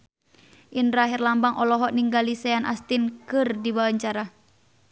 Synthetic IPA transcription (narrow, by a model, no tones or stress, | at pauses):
ʔinraɦirlambaŋʔɔlɔɦɔʔniŋɡalisɛanʔa̰st̪inkɨrdibawaɲt͡ʃaɾa